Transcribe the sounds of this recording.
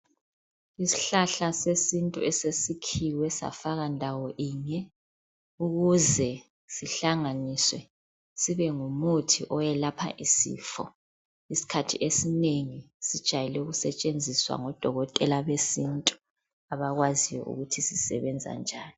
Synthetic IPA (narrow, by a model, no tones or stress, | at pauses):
isi̥ɬaɬasesintʼuɛsesikʰiwɛsa̰faɣandʱawɔʔiːɲɛ | uɣuzɛ | siɬaŋaniswɛ | siβɛŋumutʰḭʔɔjɛlapʰa̰ʔisḭːfɔ̰ | isi̥kʰatʰiʔesineŋi | sid̥ʒ̥ʱajɛlɛuɣusɛt͡ʃʼend͡zʱiswa̰ŋɔd̥ʱɔɣɔtʼɛlaβesintʼu̥ | aβaɣwazijwɔ̰ʔṵɣutʰisisɛ̰βɛnd͡zʱa̰nd͡ʒʱaːni